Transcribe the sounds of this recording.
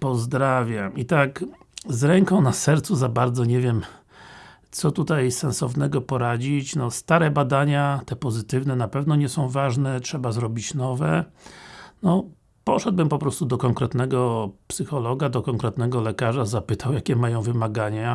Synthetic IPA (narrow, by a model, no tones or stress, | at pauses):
pɔzd̪ɾavʲjamit̪ak | zɾɛŋkɔ̃w̃nasɛɾt̪suzabaɾd̪zɔɲɛvʲjɛm | t̪sɔt̪ut̪ajsɛnsɔvnɛɡɔpɔɾad͡ʑit͡ɕnɔst̪aɾɛbad̪aɲat̪ɛpɔzɘt̪ɘvnɛnapɛvnɔɲɛsɔ̃w̃vaʐnɛtʂɛbazɾɔbʲit͡ɕnɔvɛ | nɔ | pɔʂɛd̪̚bɘmpɔpɾɔst̪ud̪ɔkɔŋkɾɛt̪nɛɡɔpsɘxɔlɔɡad̪ɔkɔŋkɾɛt̪nɛɡɔlɛkaʐazapɘt̪awjakʲɛmajɔ̃w̃vɘmaɡaɲa